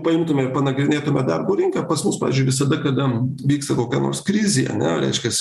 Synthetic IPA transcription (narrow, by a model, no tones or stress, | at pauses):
pɐɪmt̪ʊmʲɛɪrpɐnɐɡɾʲɪnʲeːt̪ʊmʲɛd̪ɐrboːɾʲɪŋkɐpɐsmʊspɑːʋʲːzʲd͡ʒʊɪʋʲɪsɐd̪ɐkɐd̪ɐʋʲiːkst̪ɐkoːkʲæːno̰ːrskɾʲɪzʲiːɐ̰nʲɛ̰ɾʲɛ̰ɪʃʲkʲɛs